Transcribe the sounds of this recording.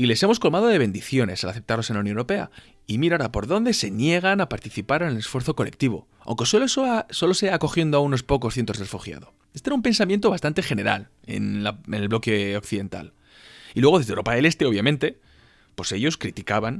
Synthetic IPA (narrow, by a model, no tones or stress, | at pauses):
ile̞se̞mo̞sko̞lmað̞o̞ðe̞β̞e̞nd̪iθjo̞ne̞salaθe̞p̚t̪aɾlo̞senlaunoneuɾo̞pe̞a̰ | imiɾaoɾapo̞ɾðo̞nd̪e̞se̞nje̞ɣ̞anapaɾt̪iθipaɾenele̞sfwe̞ɾθo̞ko̞le̞k̚t̪iβo̞̰ | a̰wŋke̞slososo̞loseako̞xje̞nd̪oauno̞spo̞ko̞sθjent̪ozðrefuxja̰ðo̞ | est̪eɾaumpe̞nsamjent̪oβast̪ant̪e̞xe̞ne̞ɾa̰l | e̞̰nlaenelβlo̞keokθiðe̞nt̪a̰l | ilwe̞ɣ̞oðezðewɾopaele̞st̪eo̞βjamẽnt̪e̞ | po̞se̞ʝo̞skɾit̪ikaβan